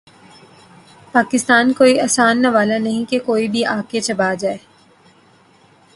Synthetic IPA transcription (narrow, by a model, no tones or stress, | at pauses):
paːkɪst̪aːnkoːiɐːsaːnːɐʋaːlanɐɦĩkekoːibʱiʔaːket͡ʃɐbaːd͡ʒaːeː